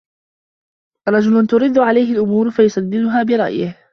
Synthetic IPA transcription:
ɾˤɑd͡ʒʊlʊnt̪ʊɾɪd̪ːʊʕalajɦɪlʔʊmuːɾfajʊsˤad̪ːɪd̪ʊɦaːbɪɾˤɑ̰ʔjɪh

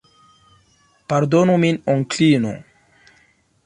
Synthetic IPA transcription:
paɾd̪onuminoŋklino̰

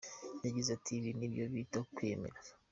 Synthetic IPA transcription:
jaɟizatʰiβinibjoβitakwemḛɾa

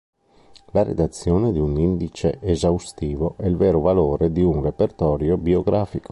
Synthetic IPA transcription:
laɾḛd̪at̪sːjoːned̪iunind̪it͡ʃeʔːzawst̪iːvoʔɛilveːɾovaloːɾed̪iunrepert̪ɔːɾjobioɡɾaːfiko̥

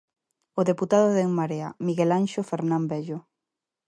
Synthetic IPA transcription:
oðeput̪aðoðeŋmaɾea̰miɣelanʃofeɾnambeʎo

